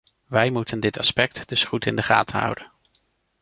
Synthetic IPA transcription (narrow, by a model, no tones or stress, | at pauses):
ʋɛjmutəndɪtɑspɛk̚td̥ɵsχutɪndəχa̰ːtʰəɦʌ̰wdən